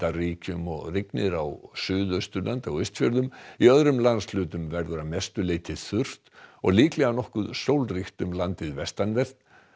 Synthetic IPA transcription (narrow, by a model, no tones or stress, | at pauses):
t̪ariːcʏmɔɣrɪknɪɾawsʏːðœst̪ʏɾlant̪awœst̪fjœɾðʏmiœðɾʏmlanslʏːt̪ʏmvɛɾðʏɾamɛst̪ʏleːjt̪ʰɪðθʏr̥t̪ɔ̰ɣliːklɛɣanɔhkʏðsowlriht̪ʏmlant̪ɪðvɛst̪anvɛr̥t̪n